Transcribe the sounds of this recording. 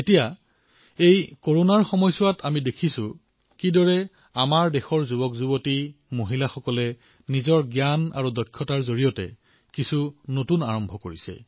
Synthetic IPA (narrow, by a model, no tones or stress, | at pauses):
etija | ejkoɹonaɹxɔmɔjsʊwatamidekʰisʊ | kidɔɹɛ | amaɹdɛxɔɹzubɔkzubotimoɦilaxɔkɔlɛ | nizɔɹɡjana̰ɹudɔkʰːɔtaɹzoɹijɔtɛ̰ | kisunotunaɹɔmbʱɔkoɹisɛ̰